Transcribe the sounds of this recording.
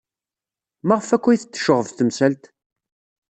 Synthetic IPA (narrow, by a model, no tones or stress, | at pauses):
mæʁəfækʷːijθət͡s̪ːə̥ʃəʁəvθəmsælt̪